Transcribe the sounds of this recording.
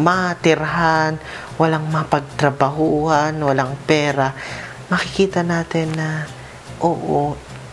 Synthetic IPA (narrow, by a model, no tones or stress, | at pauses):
mɐt̪ɪɾɦan | wɐlaŋmɐpɐɡ̚t̪ɾɐbɐɦuːhanwɐlaŋpɛːɾa | mɐkɪkiːt̪ɐnaːt̪ɪnːɐ | ʔoːʔo